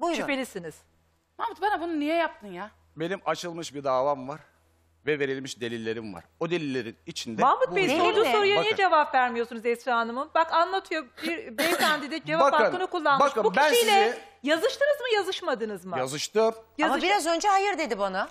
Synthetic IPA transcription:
but͡ʃypelʲisiniz̥ | mamut̪̚bɛnɛbununijɛjap̚t̪ʰɯnja | be̞nimat͡ʃʰɯlˠmɯʃbiɾd̪aːvamvaɾ̥ | vɛve̞ɾilʲmiʃd̪e̞lʲilʲːe̞ɾimva̰ɾ̥od̪e̞lʲilʲːe̞ɾinit͡ʃʰind̪ɛmabut̪bejiond͡ʒ̪uo̞ɾujanijɛd͡ʒe̞vapvæɾmijo̞sunuzɛsɾaːnɯmɯnbakanlˠat̪ʰɯjo̞biɾbɛk̪ʰænd̪id̪id͡ʒevaakpaakɯnɯkulˠːanbkʃabubiænijlʲɛ | jazɯʃt̪ɯnɯzmɯjazɯʃmad̪ɯnɯzmɯjazɯʃt̪ɯmjaazmaʃbiɾazø̞nd͡ʒɛɦajɯɾd̪e̞d̪ibana

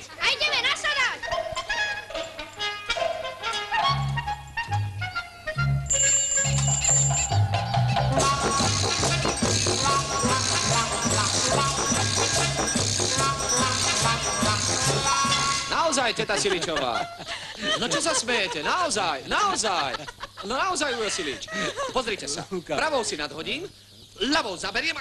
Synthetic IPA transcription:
ajɟɛmɛnasad̪ac | naɔzajcɛt̪asilit͡ʃɔʋa̰ː | nɔt͡ʃɔsasmɛjɛcɛnaɔzajnaɔzajnɔnaɔzajujɔsilḭt͡ʃpɔzɾiːcɛsa̰pɾaʋɔʊsinad̪ɦɔɟiːm | laʋɔʊzabɛɾɪɛm

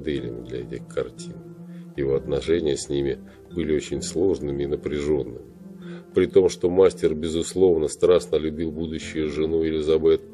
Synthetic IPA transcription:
d̪ɛlʲɪ̰mʲd̪lʲɐ̰ɛtʲɪxkɐrtʲinjɪvo̞ɐt̪nɐʂɛnʲɪjəsʲnʲimʲɪ | bɨlʲɪot͡ɕɪnʲslˠo̞ʐnɨmʲɪːnəpɾʲɪʐo̞nːɨmʲɪpɾʲɪt̪o̞mʂt̪o̞masʲtʲɪrbʲɪzʊslˠo̞vnəst̪ɾasnəlʲʊbʲilˠbud̪ʊɕːʊjʊʐɨnuɪlʲɪzɐbɛt̪̚

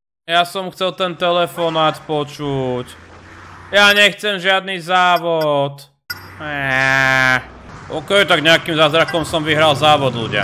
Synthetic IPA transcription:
jasɔmxt͡sɛlt̪ɛnt̪ɛlɛfɔnaːt̪pɔt͡ʃuc | jaɲɛxt͡sɛmʒɪad̪nizaːʋɔt̪ | ɛ | ʔɔkɛjt̪aɡɲɛakimzazɾakɔmsɔmʋiɦɾalzaːʋɔd̪lṵɟɪa̰

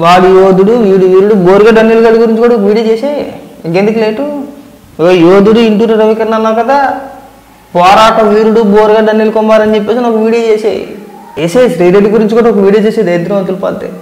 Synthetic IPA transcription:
ʋaːɽujoːd̪uɽuʋiːɽuʋiːɾuɽuboːɾɡaːɖɐnːilɡɐɖiɡuɾiɲt͡ʃikuːɽɐokɐʋiːɽijot͡ʃeːsaːjɡend̪ukileːʈu | joːd̪uɽuiɳʈuːʈɐɾɐʋikɐɾnːɐnːaːkɐd̪aː | pɔːɾaːʈɐʋiːɾuɽuboːɾɡɐɖɐnːilkɔmbaːɾɐnit͡ʃep̬ːeːsinaːkuʋiːɽijot͡ʃeːsa̰ːj̰esesɾiːɾeɖiɡuɾiɲt͡ʃikuːɽɐokɐʋiːɽijoːt͡ʃeːsed̪ɐjd̪ɾɐmɐnt̪ulpɐ̰d̪ḛ

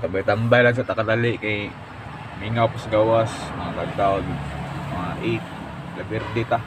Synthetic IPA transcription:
t̪abajt̪ambajlaɡs̬aʔt̪akad̪alɪʔkaj | miŋawpasɡawasmɐŋakad̪awdmɐŋaʔit̪̚ | labɪrd̪ɪt̪a

